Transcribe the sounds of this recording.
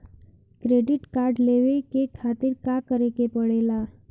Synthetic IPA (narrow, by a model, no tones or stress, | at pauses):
kɾeɖiʈkaɾɖleʋekekʰat̪iɾkakəɾekepəɽela